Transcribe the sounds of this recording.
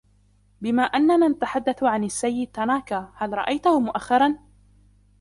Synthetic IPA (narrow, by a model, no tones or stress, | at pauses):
bɪmaːʔanːanaːnat̪aħad̪ːaθʕanasːajːɪd̪̚t̪ːanaːkaːhalɾˤɑ̰ʔajt̪ahʊmʊʔaxːɑɾˤɑn